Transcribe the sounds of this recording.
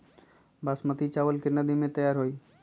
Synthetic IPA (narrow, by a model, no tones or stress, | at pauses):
baːsmət̪it͡ʃaːʋəlkɪnəd̪imẽt̪əjaːɾɦoːiː